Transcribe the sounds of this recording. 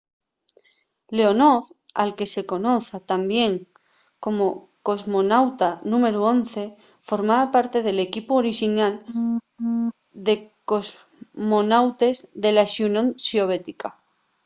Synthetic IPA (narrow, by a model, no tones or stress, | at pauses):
le̞o̞noθa̰lke̞se̞ko̞no̞θat̪ambje̞ŋ | ko̞mo̞ | ko̞zmo̞nawt̪anũme̞ɾuo̞nθe̞ | fo̞ɾmaβapaɾt̪e̞ðe̞le̞kipuoɾiʃinal | d̪e̞ko̞z | monawt̪e̞zðe̞laʃunõŋʃeoβ̞e̞t̪ika